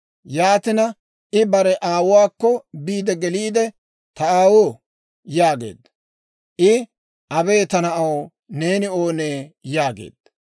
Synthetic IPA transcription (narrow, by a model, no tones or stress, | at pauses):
jaːt̪ɪnɐ | ʔɪbɐɾɛʔaːwʊwaːkːɔbiːd̪ɛɡɛliːd̪ɛ | t̪ɐaːwoː | jaːɡe̞̰ːd̪ɐ | ʔɪ | ʔɐbe̞ːt̪ɐnɐʔɐw | ne̞ːnɪo̞ːneːjaːɡḛːd̪̥ː